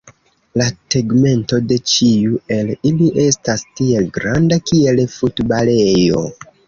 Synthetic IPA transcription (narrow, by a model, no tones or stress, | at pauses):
lateɡme̞nto̞de̞t͡ʃiue̞liliʔe̞stastie̞lɡɾandakie̞lfutbalejo̞̰